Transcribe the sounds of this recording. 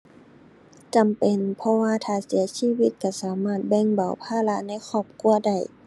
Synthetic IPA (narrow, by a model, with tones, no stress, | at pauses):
t͡ɕa˨mpe˨npʰɔ˧waː˧t̪ʰaː˧˩si˨˩˦ɐsiː˧˥˨wi˧˥t̪̚ka˧˩saː˨˦maː˧˥˩t̪̚bɛ˧˥˨ŋba˨˩wpʰaː˧˥˨la˧˥na˧˥˨jxʰɔː˧˩p̚ku˧˥əda˧˩j